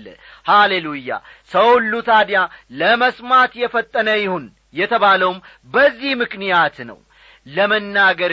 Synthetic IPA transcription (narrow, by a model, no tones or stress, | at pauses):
ə̰ | halelujːa̰səwlːut̪ʰad̪jaləməsmat̪jɛfət̪ʼːənəjɪhun | jɛt̪ʰəβaləwm | bəzːihmɨknijat̪nə̰w | ləmənːaɡəɾ